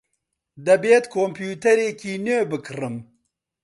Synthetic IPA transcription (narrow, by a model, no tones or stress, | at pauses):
d̪ɐbeːt̪kʰoːmpʰuːt̪ɐɾeːkiːnøːbɨkʰɨrɨm